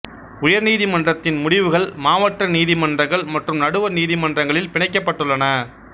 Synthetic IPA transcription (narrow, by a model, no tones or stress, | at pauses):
ʊjɐɾniːðimɐndrɐt̪ːɪnmʊɽɪʋɯɣɐɭmaːʋɐʈrɐniːðimɐndrɐŋɡɐɭmɐʈrɯmnɐɽɯʋɐɾniːðimɐndrɐŋɡɐɭɪlpɪɳɐɪk̬ːɐpːɐʈːɯɭːɐnɐ